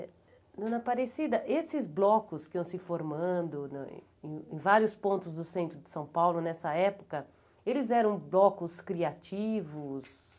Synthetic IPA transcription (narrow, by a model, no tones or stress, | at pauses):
ɛ | nũnɐpaɾesid̪ɐʔesɪzblɔkʊskɪɐ̃w̃sɪfoɾmɐ̃nd̪ʊn̰ | ḛ̃ẽvaɾjʊspõnt̪ʊzd̪ʊsẽnt̪ɾʊd͡ʒɪsɐ̃w̃pawlʊnɛsɐɛpʊkɐ | elɪzɛɾɐ̃w̃blɔkʊskɾiat͡ʃivʊs